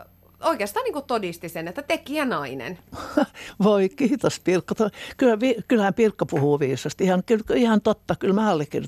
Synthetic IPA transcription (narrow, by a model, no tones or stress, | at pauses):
oikeɑst̪ɑːniːŋkutt̪odist̪isenet̪ːæt̪ekiænɑinḛn | ʋoikiːt̪ospirkːɑt̪okylhæʋiːkylhæmpirkːɑpuhuːʋiːsɑst̪ihɑnkylkihɑnt̪ot̪ːɑkylmæɑlːekːir